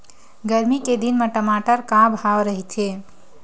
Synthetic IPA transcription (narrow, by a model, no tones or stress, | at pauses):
ɡəɾmiked̪inmeʈəmaʈəɾkãbʱɦawɾəɦit̪ʰe